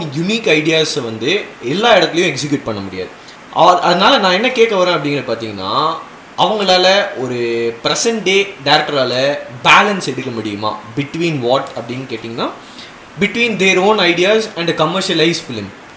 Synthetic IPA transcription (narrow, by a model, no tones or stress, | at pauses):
jʊniːkɐɪɖɪjaːsʋɐnd̪ɯɛlːaːɪɽɐt̪ːlɐjʊ̃ɛksɪk̬juːʈ̚pɐɳːɐmʊɽɪja̰ːðɯ | ʔɐ̰ʔɐðɐnaːlɐnãːɛnːɐkeːʈːɐʋɐːɾẽːɐpːɐɽɪ̃ŋɡɐɾɐpaːɾt̪iːŋɡɐnːa̰ː | ʔɐʋɐŋɡɐɭaːlɐɔɾɯpɪɾɛsɐɳʈ̚ɖeːɖɐɪɾɛk̚ʈːɐɾaːlɐbaːlɐnsɛɽɯkːɐmʊɽɪjɯma̰ːbɪʈʋiːnʋaːʈɐpːɐɽɪnkeːʈːɪːŋɡɐnːaː | bɪʈʋiːnd̪eːɾoːnɐɪɽɪjaːsɛ̃ɳɖ̪ɐkɐmːɐɾʃɐlɐɪsfɪlɪm